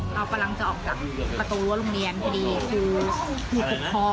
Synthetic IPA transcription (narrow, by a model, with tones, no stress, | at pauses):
ʔaː˧˩wka˧mla˧ŋt͡ɕa˨˩ʔɔː˨˩k̚t͡ɕaː˨˩k̚pɾa˧t̪uː˧lu˦˥ɾo˧ŋli˧ənkʰa˧diː˧kʰuː˧kʰuː˧o˨˩ɔː˧˥